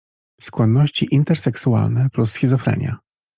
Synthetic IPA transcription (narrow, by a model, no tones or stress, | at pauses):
skwɔnːɔɕt͡ɕiʔint̪ɛɾsɛksua̰lnɛplusxʲizɔfɾɛ̰ɲʲja̰